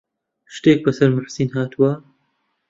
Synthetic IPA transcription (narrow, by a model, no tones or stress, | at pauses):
ʃt̪eːk̚bɐsɐɾmʊħsinɦaːt̪uwɐ